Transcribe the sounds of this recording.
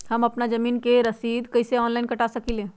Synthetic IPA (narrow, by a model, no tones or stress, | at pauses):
həmɐpnad͡ʒəmiːnkeɾəsiːd̪kəjseɔːnlaɪnkəʈasəkilẽ